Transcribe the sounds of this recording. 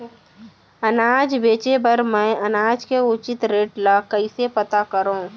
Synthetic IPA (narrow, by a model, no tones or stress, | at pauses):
ənaːd͡ʒbeːt͡ʃepəɾmɛ̃ɐnaːd͡ʒkeʊt͡ʃɪt̪ɾeːʈlakəisepət̪akəɾõː